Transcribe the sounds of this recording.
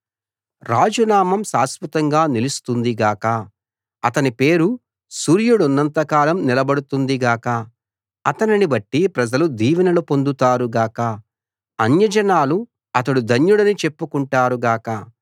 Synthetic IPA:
ɾaːd͡ʒunaːmɐmsaːspɐt̪ɐŋɡaːnilust̪und̪iɡaːkɐ | ɐt̪ɐnipe̞ːɾu | suːɾjuɽunːɐnt̪ɐkaːlɐmnilɐbɐɽut̪und̪iɡaːkɐ | ɐt̪ɐninibɐʈːipɾɐd͡ʒɐlud̪iːʋinɐlupo̞nd̪ut̪aːɾuɡaːkɐ | ɐnjɐd͡ʒɐnaːlu | ɐt̪̬ɐɽud̪ʱɐnjuɽɐnit͡ʃepːukuɳʈaːɾuɡaːkɐ

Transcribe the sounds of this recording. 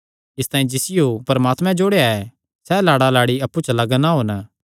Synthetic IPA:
ɪst̪ãːĩd͡ʒɪsɪjopɐɾɐmaːt̪mɛ̃d͡ʒoːɽeaɛ | sɛlaːɽalaːɽiɐpːut͡ʃlɐɡnaɦoːn

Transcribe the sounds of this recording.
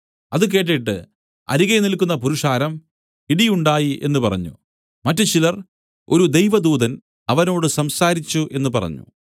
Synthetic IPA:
ɐðɨk̬e̞ːʈ̬ːiʈːɨ̰ | ɐ̰ɾiɣenilkːunːɐpuɾuʂaːɾɐm | iɽijuɳɖaːjiʔe̞nːupɐrɐ̰ɲːṵ | mɐtːɨt͡ɕilɐr | o̞ɾud̪ejʋɐd̪uːðɐn | ɐʋɐno̞ːɽɨsɐmsaːɾit͡ɕːuʔe̞nːupɐrɐ̰ɲːṵ

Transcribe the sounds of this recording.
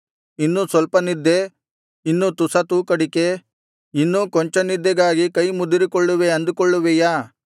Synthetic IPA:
inːusʋɐlpɐnid̪ːe̞ | inːut̪usɐt̪uːkɐɽike | inːukɔɲt͡ʃɐnid̪ːɛɡaːɡikɐjmud̪iɾikɔɭːuʋeɐnd̪ukɔɭːuʋɛjaː

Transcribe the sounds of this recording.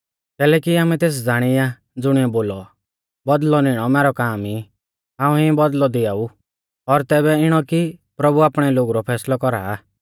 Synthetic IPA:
kɛːlɛːkiaːmɛ̃t̪eːs̬d͡zaːɽ̃ɪa | d͡zʊɽ̃ɪɛboːlɔ | bɔd̪lɔnɪɽ̃ɔmɛːɾɔkaːmi | ɦãːũibɔd̪lɔd̪ɪaːu | ɔɾt̪ɛːbɛɪɽ̃ɔkipɾɐbuaːpɽ̃ɛloːɡuɾɔpʰɛːslɔkɔɾaː

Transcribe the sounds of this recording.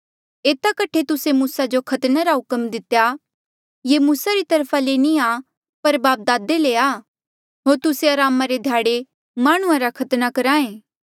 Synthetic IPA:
eːt̪akɐʈʰːet̪ʊsemuːsad͡ʒokʰɐt̪naɾaɦʊkəmd̪ɪt̪ja | jemuːsaɾit̪ɐɾpʰalenĩaː | pɐɾbaːp̚d̪aːd̪eleaː | ɦoːɾt̪ʊseɐɾaːmaɾed̪ʱjaːɽe | maːɽ̃ʊ̃ãɾakʰɐt̪nakɐɾãːẽː

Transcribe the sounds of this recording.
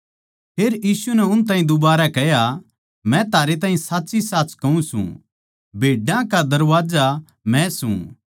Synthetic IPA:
pʰeːɾjiːsunɛʊnt̪ãːɦĩd̪ʊbaːɾakɛja | mɛ̃t̪aːɾet̪ãːɦĩsaːtːsisaːt͡ʃkɐũsṵ̃ | bʱeːɖãkad̪ɐɾʋaːd͡ʒa | mɛ̃sṵ̃

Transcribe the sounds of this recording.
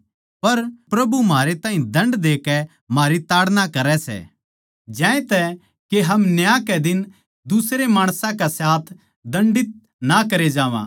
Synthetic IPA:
pɐɾpɾɐbumaːɾet̪aːɦĩd̪ʱɐ̃ɳɖd̪eːkɛ | maːɾit̪aːɽnakɐɾɛsɛ̰ | d͡ʒɛ̃ːẽt̪ɛ | keɦɐmnjakɛd̪ɪn | d̪usɾemaːɽ̃sãkasaːt̪ʰ | d̪ɐ̃ɳɖɪt̪̚ | nakɐɾed͡ʒaːʋã̰

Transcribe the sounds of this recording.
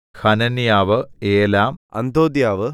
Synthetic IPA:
hɐnɐnjaːʋɨeːlaːmɐ̰nd̪ʱoːd̪jaːʋɨ

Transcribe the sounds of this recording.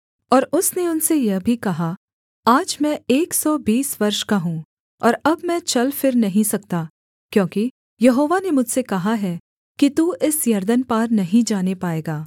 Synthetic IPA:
ɔːɾʊsneʊnsejɐɦbʱikɐɦa | aːd͡ʒmɛ̃eːksɔːbiːsʋɐɾʃkaɦũː | ɔːɾɐbmɛ̃t͡ʃɐlfɪɾnɐɦĩsɐk̚t̪aː | kjõːki | jɐɦoːʋanemʊd͡ʒʱsekɐɦaɦɛː | kit̪uːʔɪsjɐɾd̪ənpaːɾnɐɦĩd͡ʒaːnepaːeːɡaː

